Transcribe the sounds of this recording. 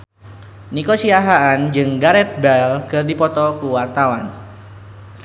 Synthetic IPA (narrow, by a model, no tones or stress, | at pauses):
nikosiaɦaand͡ʒɨŋɡaɾɛt̪̚bɛlkɨrdipɔt̪ɔkuwart̪awan